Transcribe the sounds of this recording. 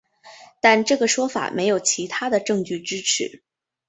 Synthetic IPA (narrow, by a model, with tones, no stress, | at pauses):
t̪a˥˧nʈ͡ʂɤ˥˩ɡə˩ʂwɔ˥fa̰˨˩mʔe˧˥ɪjo˨˩ʊt͡ɕʰi˧˥t̪ʰa˥d̪ə˨ʈ͡ʂɤ˥˧ŋt͡ɕy˥˩ʈ͡ʂɻ̩˥ʈ͡ʂʰɻ̩˧˥˦